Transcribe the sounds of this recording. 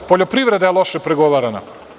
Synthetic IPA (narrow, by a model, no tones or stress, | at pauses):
poʎopɾiʋɾed̪ajelˠoʃepɾeɡoʋaɾana